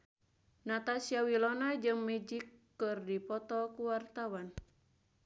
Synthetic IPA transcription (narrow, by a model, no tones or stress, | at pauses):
nat̪asiawilɔnad͡ʒɨŋmɛd͡ʒikːɨrdipɔt̪ɔkuwart̪awan